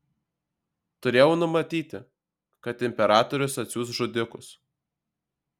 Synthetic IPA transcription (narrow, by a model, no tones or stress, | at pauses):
t̪ʊɾʲeːjɛʊnʊmɐt̪ʲiːt̪ʲɪ | kɐt̪ɪmʲpʲɛɾɑːt̪ɔɾʲʊsɐt̪sʲuːsʒʊd̪ʲɪkʊs